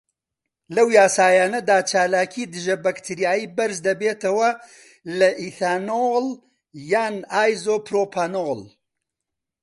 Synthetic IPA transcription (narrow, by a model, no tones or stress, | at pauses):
lɐwjaːsaːjaːnɐd̪aːt͡ʃʰaːlaːkʰiːd̪ɨʒɐbɐkt̪ʰiɾjaːjiːbɐɾzd̪ɐbeːt̪ɐwɐ | lɐʔiθaːnol | jaːnaːjzoːpɾoːpʰaːnol